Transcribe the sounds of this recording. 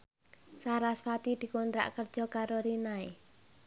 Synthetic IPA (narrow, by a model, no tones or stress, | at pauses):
saɾasfat̪id̪̥i̤kont̪ɾa̰ʔkərd̥ʒ̥ɔ̤kaɾoɾinae